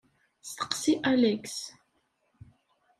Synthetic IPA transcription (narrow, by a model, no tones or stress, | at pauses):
st̪qsiʔalɛks